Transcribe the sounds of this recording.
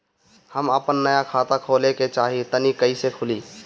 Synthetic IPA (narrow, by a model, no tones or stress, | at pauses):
həməpənːəjakʰaːt̪akʰoːleket͡ʃaːɦit̪ənikəisekʰʊli